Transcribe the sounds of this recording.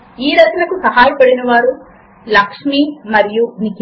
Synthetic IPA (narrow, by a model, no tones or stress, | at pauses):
iːɾɐt̪lɐkusɐɦaːjɐpɐɽinɐʋaːɾu | lɐkʂmiːmɐɾijunik